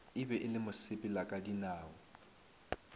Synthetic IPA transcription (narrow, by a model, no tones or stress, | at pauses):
ɪbɛʔɪlɪmʊsɪpʼɪlakʼadinaːɔ